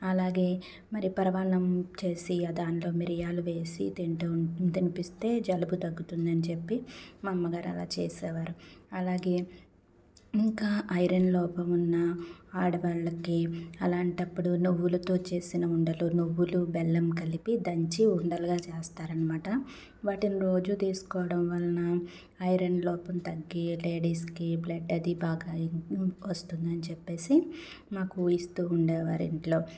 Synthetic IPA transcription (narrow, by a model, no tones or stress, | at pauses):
ɐlaːɡe̞ː | mɐɾipɐɾɐʋaːnɐmt͡ʃe̞ːsiɐd̪aːnlo̞ːmiɾijaːluʋe̞ːsḭt̪iɳʈt̪inipist̪e̞ːd͡ʒɐlɐbut̪ɐɡːut̪und̪ɐnit͡ʃepːimɐmːɐɡaːɾɐ̰la̰ːt͡ʃḛːsɛːʋaːɾuɐlaːɡe̞ː | iŋkaːʔɐjɾɐnlɔːpɐmunːɐaːɽɐʋaːɭɐkiɐlaːɳʈɐpːuɽunuʋːulɐt̪o̞ːt͡ʃe̞ːsinɐuɳɖɐlunuʋːulubɛlːɐmkɐlipid̪ɐɲt͡ʃiuɳɖɐluɡaːt͡ʃeːst̪aːɾɐnimaːʈɐ | ʋaːʈiniɾo̞ːd͡ʒut̪iːsu̥kɔːʋɐɽɐmʋɐlɐnɐ | ɐjɾɐnlɔːpɐmt̪ɐɡːile̞ːɖiːskiblɐɖɐd̪ibaːɡaːʋɐst̪und̪ɐnit͡ʃɛpːe̞ːsi | maːkujist̪uːuɳɖɛːʋaːɾḭɳʈlo̞ː